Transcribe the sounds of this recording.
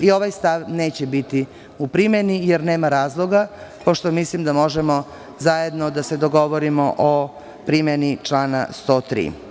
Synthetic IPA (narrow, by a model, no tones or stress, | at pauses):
io̞ʋajst̪aʋneːt͡ɕebit̪i | upɾimenijeɾneːmaɾaːzlˠo̞ɡapo̞ʃt̪omislimd̪amo̞ʒemo̞ | zaje̞d̪nod̪ase̞d̪oɡo̞ʋoɾimo̞ʔo | pɾimenit͡ʃlaːna̰st̪o̞ːt̪ɾḭː